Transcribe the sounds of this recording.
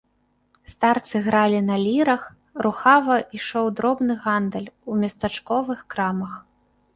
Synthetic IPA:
st̪art̪sɨɣɾalʲinɐlʲiɾɐx | ruxavɐʔiʂɔwd̪ɾɔbnɨɣand̪ɐlʲumʲɐst̪at͡ʂkɔvɨxkɾamɐx

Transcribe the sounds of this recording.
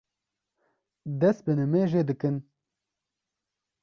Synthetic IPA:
d̪ɛst̪̚bɨnɨmeːʒeːd̪ɨkɨn

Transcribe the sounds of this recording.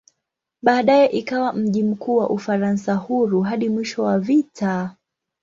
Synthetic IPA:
ɓaːɗajɛʔikawam̩ʄim̩kuːwaʔufaɾansahuɾuɦaɗimwiʃɔwavita

